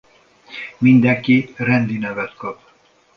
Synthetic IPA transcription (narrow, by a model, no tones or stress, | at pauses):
mind̪ɛŋkirɛnd̪inɛvɛt̪kɒp